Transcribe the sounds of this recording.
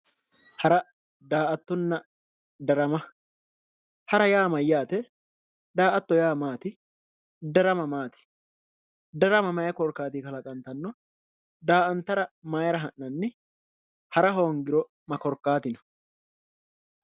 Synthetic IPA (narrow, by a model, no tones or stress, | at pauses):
hɐɾɐ | d̪aːʔɐt̪ːɔnːɐ | d̪ɐɾɐmɐ | hɐɾɐjaːmɐjːaːt̪ɛ | d̪aːʔɐt̪ːɔjaːmaːt̪ɪ | d̪ɐɾɐmɐmaːt̪ɪ̥ | d̪ɐɾɐmɐmɐjɐkɔɾkaːt̪iːkɐlɐkʼɐnt̪ɐnːɔ | d̪aːʔɐnt̪ːɐɾɐmaːjɐɾɐɦɐnːɐnːɪ | hɐɾɐɦoːŋɡɪɾɔ | mɐkɔɾkːaːt̪ɪnɔ̥